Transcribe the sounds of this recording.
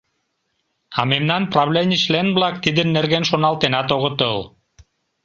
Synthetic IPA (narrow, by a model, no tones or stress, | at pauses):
ɑmemnɑnproβlenʲit͡ɕlenblɑk̚t̪id̪ənːerɣenʃonɑlˠt̪enɑt̪oɣət̪əl